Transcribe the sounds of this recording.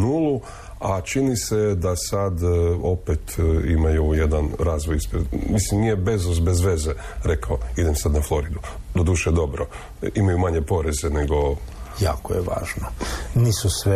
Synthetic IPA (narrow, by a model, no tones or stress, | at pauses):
nuːlˠu | at͡ʃinise̞d̪asad̪o̞pet̪imajujed̪anɾazʋojispemislimnijebe̞zozbe̞zʋe̞ze | ɾe̞kaoid̪emsad̪naflˠo̞ɾid̪ud̪o̞d̪uːʃed̪o̞bɾo | imajumaɲe̞po̞ɾe̞zeneɡo̞ja̰ːko̰jeʋa̰ːʒnoniːsusʋe